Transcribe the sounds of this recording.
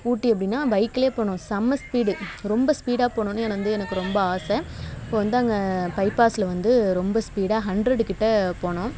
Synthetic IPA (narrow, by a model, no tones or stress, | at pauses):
uːʈːiɐp̬ːɐɽɪnːaːʋɐɪkːɪleːpoːɳʊ̃sɐmɐspiːɽɯɾɔmbɐspiːɽaːpoːɳʊ̃ːnːɯɛnʋɐnd̪ɯɛnɐkːɯɾɔmbɐaːsɛ̃ɪpːoːʋɐnd̪ɯɐŋɡɐpɐɪpaːsɪlɐʋɐnd̪ɯɾɔmbɐspiːɽaːɦɐɳɖɾɐɽɯkɪʈːɐpoːɳʊ̃ː